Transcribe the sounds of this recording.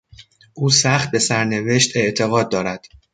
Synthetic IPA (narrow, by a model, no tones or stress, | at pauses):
ʔuːsæχt̪̚be̞sæɾne̞ve̞ʃt̪ʰe̞ʔt̪ʰe̞ɣɒːd̪̚ːɒːɾæd̪̥